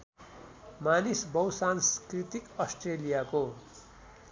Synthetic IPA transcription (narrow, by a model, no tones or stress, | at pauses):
manisbʌwsanskrit̪ikʌsʈrelijako